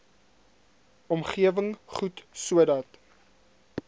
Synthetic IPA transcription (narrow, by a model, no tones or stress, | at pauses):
ɔmχiəvəŋχutsuədɐt